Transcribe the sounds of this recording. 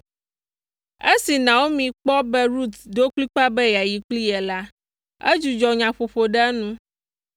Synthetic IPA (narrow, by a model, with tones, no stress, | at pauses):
e˦si˨nã˨wo˦mĩ˨k͡pɔ˦bɛ˦ɾu˦t̪d̪o˦k͡pli˦k͡pa˦bɛ˦ja˨ji˨k͡pli˦ɛ˨la˦ | ḛ˦d͡ʒu˨d͡ʒɔ˨ɲã˨ɸo˨ɸo˨ɖɛ˦nũ˦